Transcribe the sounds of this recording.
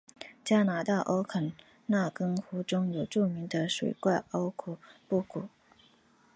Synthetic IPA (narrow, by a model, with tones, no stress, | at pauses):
t͡ɕja˥na˧˥t̪a˥˩ʔo˥ʊkʰə˨˩n | na˥˩kɤ˥ŋxu˧˥ʈ͡ʂʊ˥ŋjo˨˩ʊʈ͡ʂu˥˩mi˧˥ŋd̪ə˧ʂwḛ˨˩ɪkwa˥˩ɪʔo˥ʊkʰu˨˩˦pu˥˩kʰu˨˩˦